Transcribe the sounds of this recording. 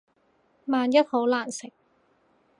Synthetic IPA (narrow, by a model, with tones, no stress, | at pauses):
maː˨njɐ˥t̚ho˨˥wlaː˨˩nsɪ˨˩k̚